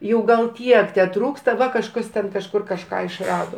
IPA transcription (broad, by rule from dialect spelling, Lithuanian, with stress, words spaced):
jɛʊ ɡɐlˠ ˈtʲiɛk tʲɛˈtruːkstɐ ˈʋɐ kɐʃˈkɐs tʲɛn kɐʃˈkʊr kɐʃˈkɑː ɪʃˈrɑːdoː